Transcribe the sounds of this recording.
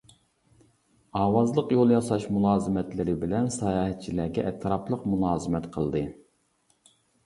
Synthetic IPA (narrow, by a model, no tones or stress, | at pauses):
ɑːwɑzlˠəqjolˠjɑsɑʃmulˠɑːzɨmɛt̪lɪɾɪbɪlɛnsɑjɑːɦɛt̪̚t͡ʃʰilæɡʲɛʔɛt̪ʰɾɑplˠəqmulˠɑːzɨmɛt̪qʰəlˠd̪ɨ